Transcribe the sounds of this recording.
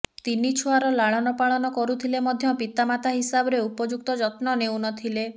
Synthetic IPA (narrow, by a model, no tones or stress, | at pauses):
t̪init͡ʃʰuaɾɔlaɭ̃ɔnɔpaɭɔnɔkɔɾut̪ʰilemɔd̪ʱjɔpit̪amat̪ʰaɦisabɔɾeupɔd͡ʒuk̚t̪ɔd͡ʒɔt̪nɔnewnɔt̪ʰile